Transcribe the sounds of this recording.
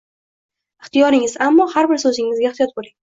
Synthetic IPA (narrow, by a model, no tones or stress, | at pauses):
ɪχt̪ʰijɒɾɪŋɪzamːɒhaɾbɪɾsɵzɪŋːɪzɡaɪχt̪ijɒt̪̚bolɪŋ